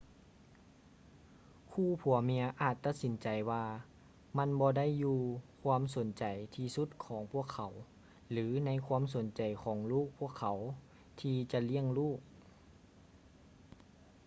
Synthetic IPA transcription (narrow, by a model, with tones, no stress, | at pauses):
kʰuː˧˩pʰu˨˩əmi˧əʔaː˨˩t̪ːa˧˥t̪̚si˩˦nt͡ɕa˨˩jwaː˧ | ma˧˥˨nbɔː˧da˥˨jːuː˧kʰwaː˧˥˨mso˨˩˦nt͡ɕa˨˩jt̪ʰiː˧su˧˦˥t̪̚kʰɔː˩˦ŋpʰu˥˩əkʰa˨˩˦w | lɯː˩˦na˧˥jkʰwaː˧˥˨ms̬o˩˦nt͡ɕa˨˩jkʰɔː˩˦ŋluː˥˩k̚pʰu˥˩əkʰːa˨˩˦w | t̪ʰiː˧t͡ɕa˧li˥˨əŋluː˥˩k̚